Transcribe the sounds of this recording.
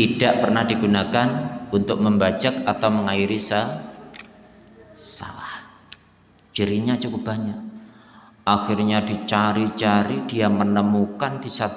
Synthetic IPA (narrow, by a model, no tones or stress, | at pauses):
t̪id̥aʔpərnahdiɡunakanunt̪ʊk̚məmbad͡ʒakat̪awməŋaiɾisa | sa̰lah | d͡ʒ̥iɾiɲat͡ʃukʊp̚baɲak̚ | axirɲadit͡ʃaɾit͡ʃaɾid̥ijamənəmukandisat̪